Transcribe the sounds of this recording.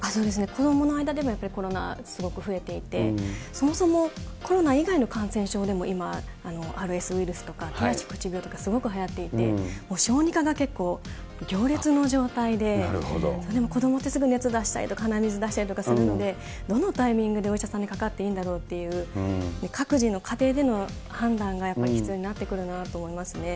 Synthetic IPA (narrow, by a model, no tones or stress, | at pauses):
aso̞ːd̪e̞s̬ɨne̞ko̞d̪o̞mo̞no̞aid̪ad̪e̞mo̞japːaɾʲikoɾo̞na̰sɨɡo̞kɯ̟ɸɯ̟e̞t̪e̞it̪e̞̰so̞mo̞so̞mo̞ko̞ɾo̞naiɡaino̞kãɰ̃sẽ̞ɰ̃ɕo̞ːd̪e̞mo̞ʔimaː | no̞ʔaːɾɯ̟e̞sɨiɾɯ̟sɨ̥t̪o̞kat̪eɾaɕi̥kɯ̥t͡ɕibʲo̞ːt̪o̞̥kasɨɡo̞kɯ̟ɦajat̪ːe̞it̪e̞̰moːɕo̞ːɲ̟ikaɡake̞kːo̞ː | ɡʲo̞ːɾʲit͡sɨno̞ʑo̞ːt̪aid̪e̞̰d̪o̰soːd̪emo̞ko̞d̪o̞mo̞t̪ːesɨɡɯ̟net͡sɨd̪aɕi̥t̪a̰ɾʲḭt̪o̞kahanamʲizɨd̪aɕi̥t̪aɾit̪o̞kasɨɾɯ̟no̞d̪e̞ | d̪o̞no̞t̪aimʲĩŋɡɯ̟d̪e̞oiɕasãɲːikakat̪ːe̞ĩːnd̪aɾo̞ːt̪ːe̞jɯ̟ːne̞kʰakɯ̟ʑino̞kʰat̪e̞ːd̪e̞no̞ | hãnd̪ãŋɡajapːaɾʲiçi̥t͡sɨjo̞ːɲ̟inat̪ːe̞kɯ̟ɾɯ̟nat̪o̞ːmo̞imasɨne̞